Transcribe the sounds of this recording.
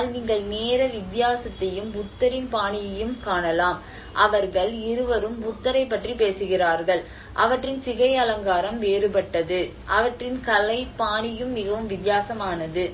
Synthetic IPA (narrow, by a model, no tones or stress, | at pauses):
lniːŋɡɐɭneːɾɐʋɪt̪ːɪjaːsɐt̪ːɐjɯmʊt̪ːɐɾɪnpaːɳɪjɐjɯmkaːɳɐlaːm | ʔɐʋɐɾɣɐɭɪɾɯʋɐɾɯmʊt̪ːɐɾɐɪp̬ːɐʈripeːsɯɣɪraːɾɣɐɭ | ʔɐʋɐʈrɪnsɪɣɐɪɐlɐŋɡaːɾɐmʋeːɾɯpɐʈːɐðɯʔɐʋɐʈrɪnkɐlɐɪpːaːɳɪjɯmːɪɣɐʋɯmʋɪt̪jaːsɐmaːnɐðɯ